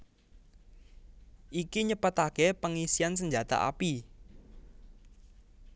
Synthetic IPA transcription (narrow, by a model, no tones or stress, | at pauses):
ʔikiɲəpət̪akepəŋisians̬əɲd͡ʒa̤t̪a̰ʔa̰pi